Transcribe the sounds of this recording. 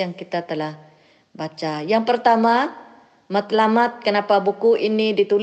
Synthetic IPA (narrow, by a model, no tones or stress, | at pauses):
aŋkit̪at̪əlah | bat͡ʃajaŋpərt̪ama | mət̪lamat̪̚kənapabukuʔinidit̪ul